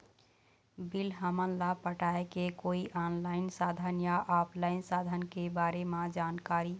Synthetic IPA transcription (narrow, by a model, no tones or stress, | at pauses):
bilɦəmənlapəʈaekekoiʔɔnlaɪnsad̪ʱənjaʔɔpʰlaɪnsad̪ʱənkebaɾemãd͡ʒankaɾi